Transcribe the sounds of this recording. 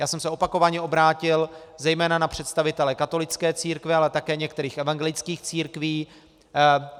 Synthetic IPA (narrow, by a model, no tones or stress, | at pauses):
jaːsɛmsɛopako̞vaɲɛʔo̞bɾaːcɪlzɛjmɛːnanapr̝̥ɛt̪st̪avɪt̪ɛlɛkat̪o̞lɪt͡skɛːt͡siːɾkvɪalɛt̪akɛːɲɛkt̪ɛɾiːxɛvaŋɡɛlɪt͡skiːxt͡siːɾkviː